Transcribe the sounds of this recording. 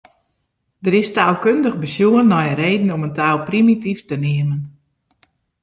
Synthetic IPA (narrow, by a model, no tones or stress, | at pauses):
dərɪstaːlˠkøndəɣbəsjuənːɔjəɾeːdn̩ɔməntaːlˠprimitiftənɪəmən